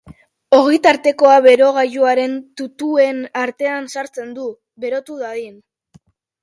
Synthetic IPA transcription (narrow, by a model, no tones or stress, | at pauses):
o̞ɣ̞jt̪aɾt̪e̞ko̞aβe̞ɾo̞ɣ̞aʎuaɾe̞nt̪ut̪ue̞naɾt̪e̞ansaɾt͡se̞nd̪u | βe̞ɾo̞t̪uðaɣin